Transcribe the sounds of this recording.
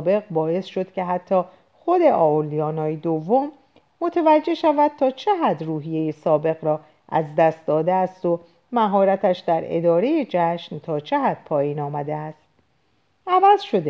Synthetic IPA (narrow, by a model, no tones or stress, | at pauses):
be̞ɣbɒːe̞sʃo̞d̪̥cʰe̞ɦæt̪ʰːɒː | xo̞d̪e̞ʔɒːoliɒːnɒːjed̪ovːo̞mː | o̞t̪ʰevæd͡ʒːe̞hʃævæd̪̥̚t̪ʰɒːt͡ʃʰeɦæd̪ruːɦije̞jesɒːbe̞ɣɾɒː | ʔæ̰zd̪æst̪d̪ɒːd̪eæst̪o̞ | mæɦɒːɾæt̪ʰæʃd̪æɾe̞̰d̪ɒːɾe̞je̞d͡ʒæʃnt̪ʰɒːt͡ʃʰe̞ɦæd̪̥̚pʰɒːjiːnɒːmæd̪eæst̪̚ | ʔævæzʃo̞d̪e